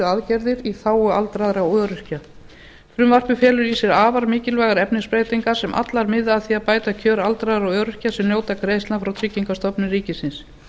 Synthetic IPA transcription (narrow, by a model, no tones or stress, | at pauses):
aðcɛɾðɪɾiθaːwʏalt̪ɾaðɾawœːɾʏr̥ca | fɾʏmvar̥pʏfjɛːlʏɾisɛɾaːvaɾmɪːcɪlvɛːɣaɾɛpnɪspɾeːjt̪iŋkḁsɛmʔa̰t̪laɾmɪðaθiapaːjt̪acʰœːɾalt̪ɾaðɾawœːɾʏ̥casɛmnjoːwt̪akɾeːjst̪lafɾawt̪ʰɾɪcːiŋkast̪ɔpnɪriːcɪsɪns